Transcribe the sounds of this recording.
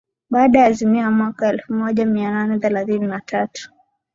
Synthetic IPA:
ɓaːɗajaːzimiamwakaɛlfumɔʄamiananɛθɛlaθininatatu̥

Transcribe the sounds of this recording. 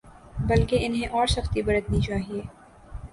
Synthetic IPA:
bɐlkeɪnɦẽʔɔːɾsɐxt̪ibɐɾət̪nĩt͡ʃaːɦieː

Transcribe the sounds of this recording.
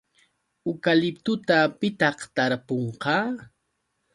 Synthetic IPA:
ʊkalɪpt̪ʊt̪apɪt̪ɑχt̪aɾpoɴqɑː

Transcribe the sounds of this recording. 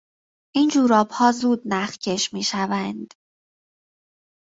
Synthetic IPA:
ʔind͡ʒuːɾɒːbhɒːzuːd̪̚næxcʰe̞ʃmiːʃævænd̪̥

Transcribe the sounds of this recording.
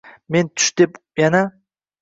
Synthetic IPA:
me̞nt̪ʰʊ̥ʃd̪̥ep | jana

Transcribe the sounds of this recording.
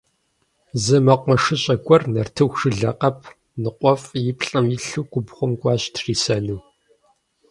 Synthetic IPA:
zɨmɐqʷɐʂɨɕʼɐɡʷʼɔrnɐrtʰɨwʂɨɮɐqɐpʰ | nɨqʷʼɔfjɪpʰɬʼɐmjɪɬuːɡʷʊbχʷʊmɡʷɑːɕtʰriːsɐnɨː

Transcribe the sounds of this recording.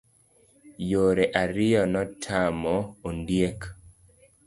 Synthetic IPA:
joɾeʔaɾɪjɔnɔtʰamɔondjek

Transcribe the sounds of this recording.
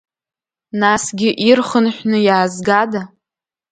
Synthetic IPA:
nasɡʲɪʔirχənħʷᶣnɨjaːzɡada

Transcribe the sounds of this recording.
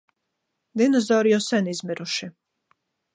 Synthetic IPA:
d̪inɔzawɾjɔsɛnizmʲiɾuʃi

